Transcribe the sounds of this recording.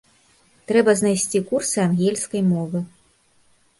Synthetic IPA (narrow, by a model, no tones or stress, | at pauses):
t̪ɾɛbɐznajsʲt͡sʲikursɨanɣʲɛlʲskɐjmɔvɨ